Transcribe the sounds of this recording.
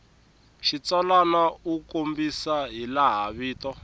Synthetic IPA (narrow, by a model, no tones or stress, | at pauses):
ʃit͡salanaukombisaɦilaɦaβiːtɔ